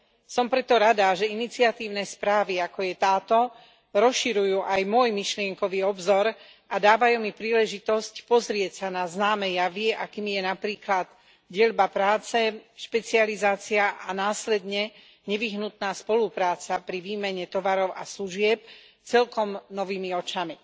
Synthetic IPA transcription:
sɔmpɾɛt̪ɔɾad̪aʒɛinit͡siat̪iːʊnɛspɾaːʋiakɔjɛt̪aːt̪ɔ | ɾɔsʃiɾujuːʔajmʊɔjmiʃlɪɛŋkɔʋiɔbzɔɾ | ad̪aːʋajuːmipɾiːlɛʒit̪ɔscpɔzɾɪɛcsanaznaːmɛjaʋɪɛʔakiːmijɛnapɾiːklad̪ | ɟɪɛlbapɾaːt͡sɛʃpɛt͡sializaːt͡siaʔanaːslɛd̪ɲɛ | ɲɛʋiɦnut̪naːspɔlupɾaːt͡sapɾiʋiːmɛɲɛt̪ɔʋaɾɔʊʔa̰sluʒɪɛp̚ | t͡sɛlkɔmnɔʋiːmiɔt͡ʃami

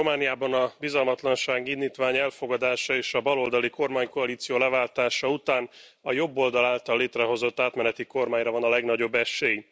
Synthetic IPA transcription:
ro̞maːnijaːbɒnɒbizɒlmɒt̪lɒnʃaːɡinːiːt̪ʋaːɲɛlfo̞ɡɒd̪aːʃɒeːʃɒbɒlo̞ld̪ɒliko̞rmaːɲko̞ɒliːt̪sijoːlɛvaːlt̪aːʃɒut̪aːnɒjo̞bːo̞ld̪ɒlaːlt̪ɒlːeːt̪rɛɦo̞zo̞t̪ːaːt̪mɛnɛt̪iko̞rmaːɲrɒvɒnɒlɛɡnɒɟo̞bːɛʃeːj

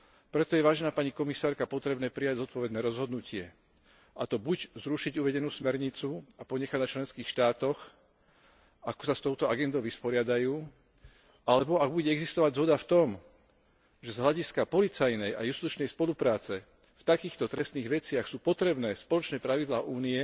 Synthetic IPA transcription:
pɾɛt̪ɔjɛʋaːʒɛnaːpaɲikɔmisaːɾkapɔt̪ɾɛbnɛːpɾijaɟzɔt̪̚pɔʋɛd̪nɛːɾɔzɦɔd̪nucɪɛ | ʔat̪ɔbuɟzɾuʃiɟuʋɛɟɛnuːsmɛɾɲit͡suapɔɲɛxaɟnat͡ʃlɛnskiːxʃt̪aːt̪ɔx | akɔ̥sast̪ɔʊt̪ɔaɡɛnd̪ɔʊʋispɔɾɪad̪ajuː | alɛbɔaɡ̚buɟɛɛɡzist̪ɔʋaɟzɦɔd̪aft̪ɔm | ʒɛzɦlaɟiskapɔlit͡sajnɛja̰just̪ut͡ʃnɛjspɔlupɾaːt͡sɛ | ft̪akiːxt̪ɔt̪ɾɛst̪niːɣʋɛt͡sɪaxsuːpɔt̪ɾɛbnɛːspɔlɔt͡ʃnɛːpɾaʋid̪laːʔuːniɛ

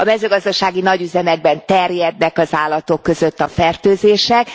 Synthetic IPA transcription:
ɒmɛzøːɡɒzd̪ɒʃaːɡinɒɟyzɛmɛɡ̚bɛnt̪ɛrjɛd̪nɛkɒzaːlːɒt̪o̞kːø̞zø̞t̪ːɒfɛrt̪øːzeːʃɛk

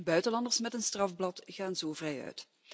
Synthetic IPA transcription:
bœɥtəlɑndərsmɛtənstrɑvblɑtɣaːnzoːvrɛjœ̰ɥt

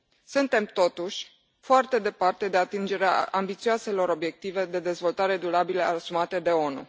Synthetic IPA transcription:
sunt̪e̞mt̪o̞t̪uʃʲ | foart̪e̞d̪e̞part̪e̞d̪e̞at̪ind͡ʒe̞ɾeaʔambit̪sioase̞lo̞ɾo̞bje̞k̚t̪ive̞d̪e̞d̪ezvo̞lt̪aɾe̞d̪uɾabileasumat̪e̞d̪e̞o̞nṵ

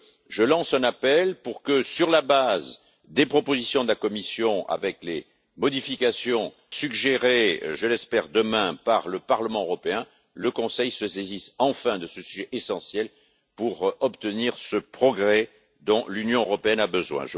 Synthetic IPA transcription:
ʒəlɑ̃sɛ̃napɛlpuʁkəsyʁlabaz | d̪epχɔpozisjɔ̃d̪əlakɔmisjɔ̃a̰vɛkle | mɔd̪ifikasjɔ̃ | syɡʒeʁeʒəlɛspɛʁd̪əmɛ̃paʁləpaʁləmɑ̃øʁɔpeɛ̃ | ləkɔ̃sɛjsəsezisɑ̃fɛ̃d̪əsəsyʒeʔesɑ̃sjɛl | puʁɔpt̪əniʁsəpχɔɡʁɛ | d̪ɔ̃lynjɔ̃øʁɔpeɛnabəzwɛ̰̃ʒə

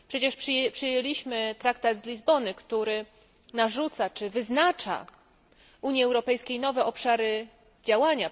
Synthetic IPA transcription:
pʂɛt͡ɕɛʂpʂpʂɘjeɛlʲiɕmɘt̪ɾak̚t̪ad̪zlʲizbɔnɘkt̪uɾɘ | naʐut̪sat͡ʂɘvɘznat͡ʂa̰ | ʔuɲiɛwɾɔpɛjskʲejnɔvɛʔɔpʂaɾɘ | d͡ʑawaɲa

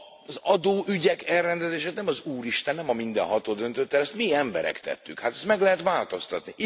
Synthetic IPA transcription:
zɒd̪oːʔyɟɛkɛlrːɛnd̪ɛzeːʃeːt̪nɛmɒzuːɾiʃt̪ɛnːɛmɒmind̪ɛ̰nɦɒt̪oːd̪ø̞nt̪ø̞t̪ːɛlɛst̪miɛmbɛ̰ɾɛ̰kt̪ɛ̰t̪ːykhat̪ɛst̪mɛɡlɛɦɛt̪ʋaːlt̪o̞st̪ɒt̪ni

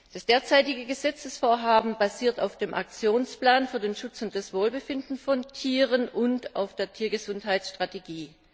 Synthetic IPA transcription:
d̥asd̥eːɐt͡saɪtɪɡəɡəzɛt͡səsfoːɐɦaːbm̩baziːɐtaʊfd̥eːmʔak̚t͡sjoːnsplaːnfyːɐdeːnʃʊt͡sʊnt̚d̥asv̥oːlbəfɪndn̩fɔntʰiːʁ̞ənʔʊnta̰ʊfd̥eːɐtʰiːɐɡəzʊnthaɪsʃtʁ̥ateɡiː

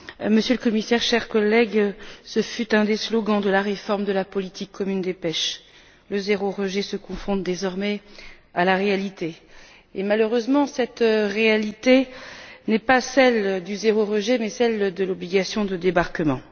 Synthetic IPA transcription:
məsjøləkɔmisɛʁʃɛʁkɔlɛɡsəfyt̪ɛ̃d̪eslɔɡɑ̃d̪əlaʁefɔʁmd̪əlapɔlit̪ʰikʰːɔmynd̪epɛʃ | ləzeʁoʁəʒesəkɔ̃fɔ̃t̪d̪ezɔʁmɛ | alaʁealit̪eː | maløʁøzmɑ̃sɛt̪ʁealit̪enɛpasɛld̪yzeʁoʁəʒemɛsɛld̪əlɔbliɡasjɔ̃d̪əd̪ebaʁkəmɑ̃

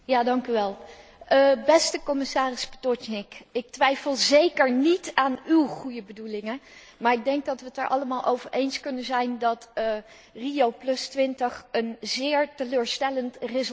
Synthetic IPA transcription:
jaːdɑŋkyʋɛlˠ | əbɛstəkɔmɪsaːrɪspə̥tɔtnɪkɪk̚tʋɛjfəlˠzejkəɹnitaːnywχujəbədulɪŋə | maːɹɪɡ̚dɛŋɡ̚dɑtʋətəɹʔɑ̰ləmaːlˠʔowvəɹʔejnskɵnənzɛjndɑtː | riowplɵstʋɪntəχənzɪːɹtəløːɹstɛləntrɪz

